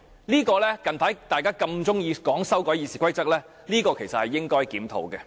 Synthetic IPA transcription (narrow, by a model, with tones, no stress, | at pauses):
liː˥kɔː˧lɛː˥kɐ˨npʰaː˨˥jt̪aː˨˩jkaː˥kɐ˧mt͡sʊ˥ŋjiː˧kɔː˨˥ŋsɐ˥wkɔː˨˥jiː˨˧siː˨˩kʰʷɐ˥jt͡sɐ˥k̚lɛː˥ | liː˥kɔː˧kʰe˨˩jsɐ˨t̚hɐ˨jːɪ˥ŋkɔː˥jkiː˨˥mt̪ʰo̰˨˩wkɛ˧